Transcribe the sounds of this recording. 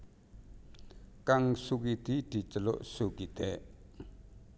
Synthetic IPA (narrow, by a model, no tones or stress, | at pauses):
kaŋsukid̪̥id̪̥i̤t͡ʃəlo̰ʔsukid̪̥ɛʔ